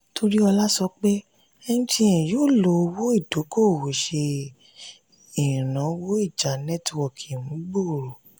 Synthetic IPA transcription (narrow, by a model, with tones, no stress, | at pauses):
tʰo˧ɾi˦ɔ˧la˦sɔ˧k͡pe˦ | ɛ˧nũ˦tʰĩ˦˨ɛ̃˨jo˦˨lo˨˧wo˦i˦˨do˨˦ko˦˨wo˨ʃe˧ | ĩ˨ɾã˨˦wo˦i˦˨d͡ʒa˨nɛ˦twɔ˦˨kʰi˨mũ˨˦bo˦˨ɾo˨